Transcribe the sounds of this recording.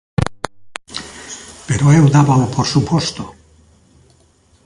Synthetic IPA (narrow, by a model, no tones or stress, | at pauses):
peɾoelwd̪aβapʰoɾsupost̪o